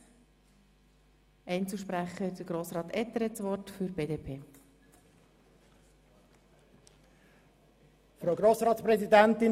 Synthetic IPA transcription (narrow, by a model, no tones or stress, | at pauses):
ɛɪnt͡suʃpɾæχəɛtdəɡ̥ɾoːsɾɑːt̪ɛt̪ːəɾɛt͡sʋɔrtfyɾb̥eːdeːpʰeː | fɾoʊɡɾoːsɾɑːt̪spɾɛzid̪ænt̪ɪ